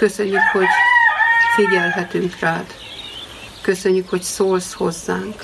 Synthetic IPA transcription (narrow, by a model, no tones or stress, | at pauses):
køsø̞ɲːykho̞ɟ | fiɟɛlɦɛt̪yŋkraːd̪ | kø̞sø̞ɲːykho̞csoːlsho̞zːaːŋk